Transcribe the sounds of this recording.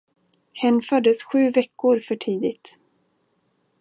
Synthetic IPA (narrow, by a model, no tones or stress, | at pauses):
hɛnːfœɖ̪əsɧʉ̟ːvɛkːʊɾfœʈʰiːd̪ɪt̪